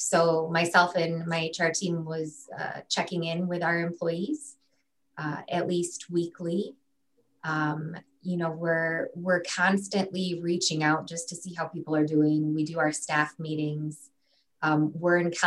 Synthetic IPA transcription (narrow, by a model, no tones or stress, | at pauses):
soʊmaɪsɛlˠfɨ̃nmaɪt͡ʃʰɑɹ̚tʰĩmwʌz̥ʌ̰t͡ʃʰɛkɪ̃ŋɪ̃nwɪðaʊə˞ɨ̃mpʰl̥ɔɪiz̥ | ʔʌɨʔˡlist̚wikli | ʔʌ̃m | jɨnoʊwɪɹwɪɹkʰɑ̃nstɨ̃nʔliɹit͡ʃɪ̃ŋaʊt̚d̥ʒ̥ʌstʰɨsiɦaʊpipl̩ˠə˞dʉɪ̃ŋwidɨaʊə˞stæfmiɾɪ̃ŋz̥ | ʌ̃mwɪɹɨ̃nkʰ